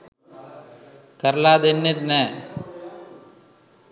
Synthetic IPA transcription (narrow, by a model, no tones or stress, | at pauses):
kɐɾlaːd̪enːet̪ne